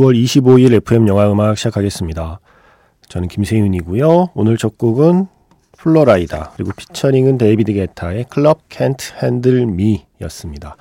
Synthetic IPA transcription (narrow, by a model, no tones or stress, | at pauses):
juwʌɾiɕʰiboiɾe̞pʰɯe̞mjʌŋɦaɯmakɕʰid͡ʑakʰaɡe̞s͈ɯmɲida | t͡ɕʌnɯnkimsʰeŋjuɲiɡujoonɯɭt͡ɕʌk̚k͈uɡɯn | pʰuɭːoɾaida̰kɯɾiɡopʰi̥t͡ɕʰʌɾiŋɯnte̞bidɯɡe̞tʰae̞kʰɯɭʌb̚kʰentʰɯhendɯɭmi | jʌ̰s͈ɯmɲida